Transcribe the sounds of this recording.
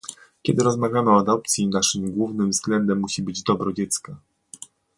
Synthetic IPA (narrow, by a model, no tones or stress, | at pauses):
kʲɛd̪ɘɾɔzmavʲjamɘɔad̪ɔp̚t̪sʲjinaʂɘmɡwuvnɘmvzɡlɛnd̪ɛmːuɕibɘd͡ʑd̪ɔbɾɔd͡ʑɛt̪ska